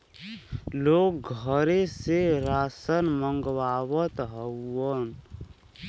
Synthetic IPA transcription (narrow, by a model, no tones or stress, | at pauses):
loːk̚ɡʱəɾeseɾaːsənməŋɡwaːwət̪ɦəːən